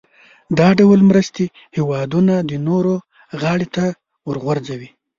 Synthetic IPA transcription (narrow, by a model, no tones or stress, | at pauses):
d̪ɑɖawlmɾəst̪e | hewɑd̪unad̪ənoɾo | ɣɑɽet̪a | wəɾɣwaɾd͡zawi